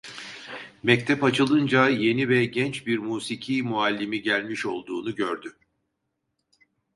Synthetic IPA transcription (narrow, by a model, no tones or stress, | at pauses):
mɛc̚t̪ʰɛpat͡ʃʰɯlˠɯnd͡ʒaje̞nivɛɟɛnt͡ʃbiɾmuːsicʰiːmualʲːimiɟælʲmiʃo̞̰lˠd̪uːnuɟøɾd̪y